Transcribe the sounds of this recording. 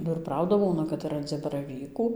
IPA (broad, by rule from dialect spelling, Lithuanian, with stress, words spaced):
bɐ ɪr ˈprɐʊdɐ ˈbuːnɐ kɐt ɪr rɐnʲˈd͡zʲɪ bɐrɐˈʋʲiːkuː